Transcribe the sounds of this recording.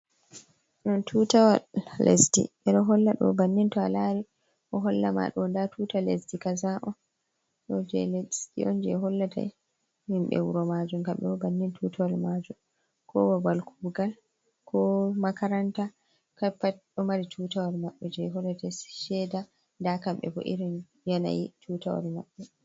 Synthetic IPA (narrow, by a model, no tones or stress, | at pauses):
nɔntʰutawalːḛsdḭʔɛɗɔɦɔlːaɗɔ̰banːintɔa̰laɾi | ʔɔɦɔlːa̰ma̰ɗɔndatʰuːtalesdikazaʔɔ | ɗɔd͡ʒɛ̰lstḭʔɔnd͡ʒɛɦɔlːata̰ | himɓɛ̰wṵɾɔmad͡ʒumkaɓɛɔbanːintʰuːtʰawalmad͡ʒum | kʰɔwabalkubɡal | kʰɔmakaɾanta | kapːaɗɔmaɾitʰuːtawaɾmaɓːɛd͡ʒɛɦɔlːatasʃɛda | ndakamɓɛ̰bɔ̰ʔḭɾin | jana̰jitʰutawa̰ɾmaɓːɛ